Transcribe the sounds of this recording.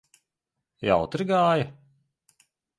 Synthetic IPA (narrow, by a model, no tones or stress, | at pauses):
ja̰wt̪ɾɡaːjɐ